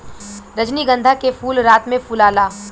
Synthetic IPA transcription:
ɾəd͡ʒniɡə̃nd̪ʱakefʰuːlɾaːt̪mẽpulaːlaː

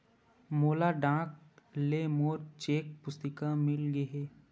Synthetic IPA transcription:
moːlaɖãːk̚lemoːɾt͡ʃeːk̚pʊst̪ɪkamɪlɡəɦeː

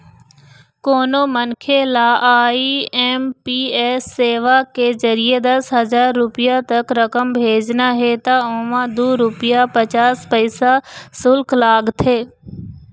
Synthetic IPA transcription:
koːnomɐnkʰelaːiɛːmpiːeːsːeːʋakezɐɾied̪ɐsɦɐzaːɾːʊpɪjat̪ɐkɾɐkəmbʱeːd͡ʒnaɦet̪aʊ̃ːʋãd̪uːɾʊpɪjapɐt͡ʃaːspɐɪsasʊlkʰlaːɡt̪ʰeː

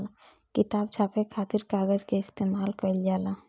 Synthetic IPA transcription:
l | kɪt̪aːb̚t͡ʃʰaːpekʰaːt̪iɾkaːɡəd͡ʒkeɪst̪eːmaːlkəljaːla

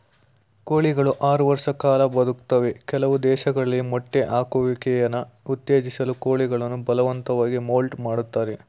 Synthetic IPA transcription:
koːɭiɡɐɭuʔaːɾuʋɐɾʂɐkaːlɐbɐd̪ukt̪ɐʋekɛlɐʋud̪ɛːʃɐɡɐɭɐlːimɔʈːeʔaːkuʋikɛjɐnːɐut̪jeːd͡ʒisɐluko̞ːɭiɡɐɭɐnːubɐlɐʋɐnt̪ɐʋaːɡimoːlʈmaːɽut̪ːaːɾe

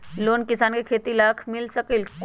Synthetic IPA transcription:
lonkisankekʰet̪ilakʰmilsəkilk

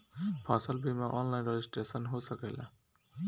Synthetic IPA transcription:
pʰasəlbimaʔɔnlajnɾed͡ʒisʈɾesənɦosʌkela̰

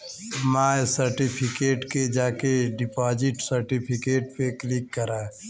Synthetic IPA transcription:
majsəɾʈipʰikeʈked͡ʒakeɖipɔd͡ʒiʈsəɾʈipʰikeʈ̚peklikːəɾa

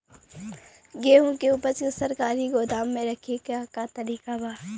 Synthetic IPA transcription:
ɡeːɦõkeuːpəɾt͡ʃsɐɾkaːɾiɡoːd̪aːmːẽɾɐkʰekkat̪ɐɾiːkabaː

